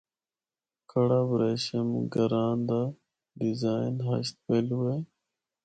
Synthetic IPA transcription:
kʰɐɽabɾeːɕemɡɐɾaːnd̪a | ɖizaːinɦa̰ɕt̪̚pelwej

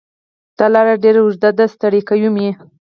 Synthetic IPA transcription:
d̪̥ɑlɑɾaɖeɾaʊʐd̪ad̪ast̪aɽikajumje

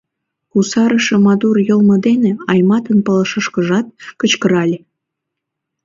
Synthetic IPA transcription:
kusɑɾəʃɤ̆mɑd̪urjəlmə̆d̪eneɑjmɑt̪ənpələʃə̆ʃkəʒɑt̪̚kət͡ɕkəɾɑlʲe

